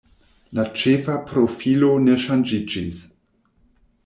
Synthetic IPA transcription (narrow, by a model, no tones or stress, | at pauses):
lat͡ʃe̞fapɾo̞filo̞ne̞ʃand͡ʒid͡ʒis